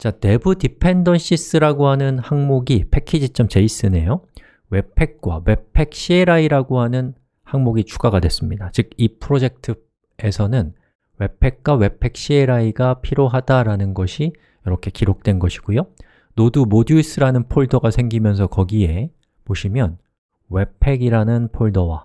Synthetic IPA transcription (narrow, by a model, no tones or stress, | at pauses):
t͡ɕane̞budipʰe̞ndʌnɕ͈is͈ɯɾaɡoɦanɯnhaŋmoɡipʰe̞kʰːid͡ʑit͡ɕ͈ʌmt͡ɕe̞is͈ɯne̞jo | we̞pʰe̞k̚k͈wa̰we̞pʰe̞k̚ɕ͈ieɾaiɾaɡohanɯn | haŋmoɡit͡ɕʰuɡaɡadwe̞s͈ɯmɲidat͡ɕɯɡ̚ipʰɯɾod͡ʑe̞k̚tʰɯ | e̞sʰʌnɯn | we̞pʰe̞k̚k͈wawe̞pʰe̞k̚ɕ͈ie̞ɾaiɡapʰiɾjoɦadaɾanɯnɡʌɕʰi | jʌɾʌkʰe̞kiɾok̚t͈we̞nɡʌɕʰi̥ɡ̥ujo | nodumoduis͈ʰɯɾanɯnpʰoɭdʌɡasʰe̞ŋɡimjʌns̬ʰʌkʌɡie̞ | poɕʰimjʌn | we̞pʰe̞ɡiɾanɯnpʰoɭdʌwa